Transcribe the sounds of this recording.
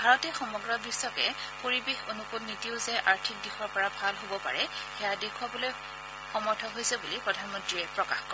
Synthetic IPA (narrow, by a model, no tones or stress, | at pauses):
bʱaɹɔtɛxɔmɔɡɹɔbisːɔkɛ̰ | poɹibexonukunːitiʊzɛʔaɹtʰik̚dixɔɹpɔɹabʱalɦobɔpa̰ɹɛxɛjadekʰwabɔloj | xɔmɔɹtʰɔɦojsɛbulipɹɔdʱanmɔ̃ntɹiɛpɹɔkaxkɔ